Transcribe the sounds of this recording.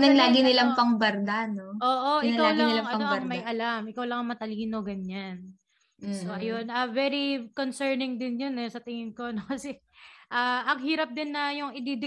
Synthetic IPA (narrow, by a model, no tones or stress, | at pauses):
nɐnlaːɡɪnɪlaŋpɐŋbɐɾd̪anoʔoːʔo̞ʔɪɐkawlɐnɪlɐŋʔɐnɐoɐŋmɐjʔɐlamʔɪkawlɐŋɐŋmɐt̪ɐliːno̞ɡɐɲːan | soʔɐjonɐvɛɾikonsɛɹnɪŋd̪ɪnjonɛsɐt̪ɪŋɪnko̞no̞kɐsɛ | ʔaʔɐŋɦiːɾɐp̚d̪ɪnːɐjʊŋɪd̪id̪ɪ